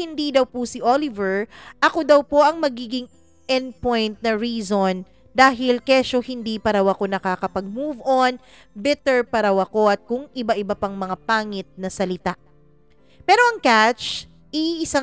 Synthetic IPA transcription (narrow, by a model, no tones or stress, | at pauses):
ɪnd̪id̪ɐwpusɪʔolɪvɛɹʔɐkod̪ɐwpo̞ʔɐŋmɐɡiːɡɪŋ | ʔɛnd̪̚pojnt̪̚nɐɹiːzon | d̪aːɦɪlkɛʃohɪnd̪ipɐɾɐwɐko̞nɐkakɐpɐɡ̚muːvʔon | bɪt̪ɛɹpɐɾawɐko̞ʔɐt̪̚kʊŋɪbaʔɪbɐpɐŋmɐŋapaːŋɪt̪̚nɐsɐlɪt̪aʔ | pɛːɾo̞ɐŋkat͡ʃ | ʔiɪsa